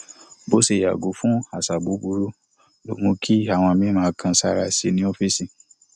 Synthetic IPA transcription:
bo˦se˨ja̰˨ɡo˨˦fũ˦a˨sa˨bu˨˦bu˧˦ɾu˦ | lo̰˨˦mũ˧kʰi˦a˨w̃ɔ̃˧˨mĩ˦mãː˨˦˧kʰã˧sa˦ɾa˧si˧e˧nĩ˧˦o˦fi˦sĩ˨

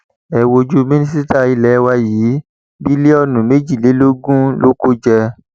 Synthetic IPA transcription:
ɛ˨wo˧d͡ʒu˦mĩ˦nĩ˦si˦ta˦i˧lɛ˨˦wa˧jiː˨˦ | bi˦le˦ɔ˧nũ˨me˦d͡ʒi˦˨le˨˦lo˦ɡũ˦lo˦ko˦d͡ʒɛ˧

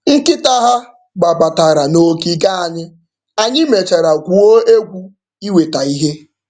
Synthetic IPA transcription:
ŋ̩˦kɪ˦ta˦ɦa˦ | ɡ͡ba˨ba˨ta˨ɾa˨no˦ki˦ɡa˦a˨ɲɪ˦ | a˨ɲɪ˦me˨t͡ʃa˨ɾa˨ɡʷu˨o˦e˦ɡʷu˦ | i˦we˨ta˨i˦ɦe˦

